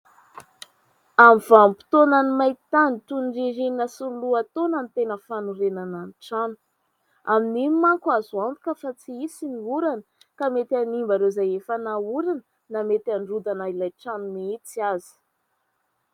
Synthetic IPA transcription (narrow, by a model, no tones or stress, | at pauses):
amiv̥ampi̥t̪onanimajt̪anit̪unireɾinnəsuluat̪onanit̪enəfanuɾenananʈ͡ʂanu̥ | aminimmaŋkuazuand̪u̥kʲəfat͡siisiniuɾanə | kamet̪ʲanimbaɾezajefanauɾanə | namet̪anɖ͡ʐud̪anailajʈ͡ʂanuniit͡siazi̥